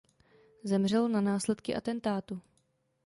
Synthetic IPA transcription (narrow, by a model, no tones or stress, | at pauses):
zɛmr̝ɛlnanaːslɛt̪kɪʔat̪ɛnt̪aːt̪u